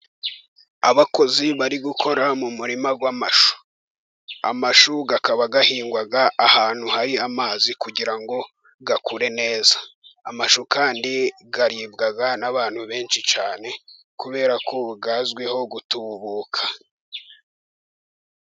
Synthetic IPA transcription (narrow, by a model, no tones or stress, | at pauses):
aβako̞ziβaɾiɡukʰo̞ɾamumuɾimaɡwamaʃu̥ | amaʃuɡakaβaɡahiːŋɡwaɡaʔːhaːn̥huhaɾiamaːzikuɟiɾaŋɡo̞ | ɡakuɾe̞ne̞ːzaːmaʃukaːndiɡaɾiːbɡaɡanaβaːn̥huβe̞ːnʃit͡ʃaːne̞ | kuβe̞ːɾakʰoɡaːzɡweho̞ɡutuːβuːkʰḁ